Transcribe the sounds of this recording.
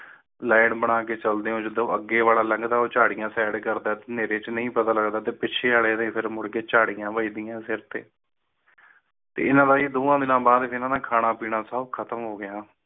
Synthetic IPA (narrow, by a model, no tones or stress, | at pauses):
laːɳbəɽ̃aːkeːt͡ʃəld̪eːõːd͡ʒɪd̪oːəɡːeːʋaːlaːləŋɡd̪aːoːt͡ʃaːɽijãːsɛːɖkəɾd̪aːt̪eːneːɾeːt͡ʃnəĩːpət̪aːləɡd̪aːt̪eːpɪʃʰeːaːleːd̪ẽːpʰɪɾmʊɽkeːt͡ʃaːɽijãːʋəiːd̪ɪjãːsɪɾt̪ḛː | t̪ḛːɪnãːd̪aːiːd̪oːãːd̪ɪnãːbaːd̪pʰɾɪnãːd̪ãːkʰaːɽ̃ãːpiːɽ̃ãːsəbkʰət̪əmɦoːɡɪjãː